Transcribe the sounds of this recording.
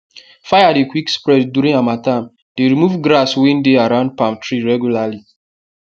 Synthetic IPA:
fajadekwikspɹɛtdjuɾĩnamatãm | d̥eɹimuvɡɹaswĩndeaɹãʊ̃nd̚pãm̚tʰɹiɹɛɡjulali

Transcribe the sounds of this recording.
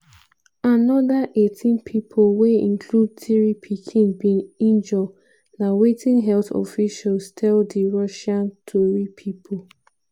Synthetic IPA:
anɔdaʔetʰĩnpʰipʰolweĩnkʰlud̚tiɹipʰikʰĩnbĩŋĩnd͡ʒɔ | nawetʰĩnɦɛlθɔ̰fiʃalstʰɛldiɹɔʃãntʰoɹipʰipʰol

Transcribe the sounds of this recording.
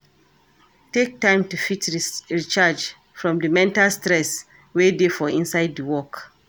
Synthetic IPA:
tek̚tãɪ̃mtufitɹit͡ʃad͡ʒ | fɹɔ̃mdəmɛ̃ntalstɹɛs | wedefɔĩnsaɪd̚dəwɔk

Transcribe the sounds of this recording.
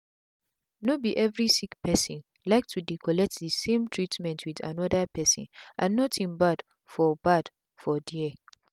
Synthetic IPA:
nobiʔɛvɹisikpɛsɔ̃n | laɪk̚tʰudikʰɔlɛk̚tðəsẽmtʰɹitmɛ̃ntʰwiðã̰nɔdəpʰɛsɔ̰̃nʔãnːɔtʰĩnbad | fɔbad̥ | fɔdiɛ

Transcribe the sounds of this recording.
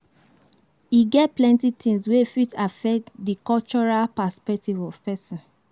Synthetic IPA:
iɡɛt̚plɛ̃ntit̪ʰĩŋswefitafɛk̚dikɔlt͡ʃɔɹalpaspɛk̚tivɔv̥pɛsɔ̃n

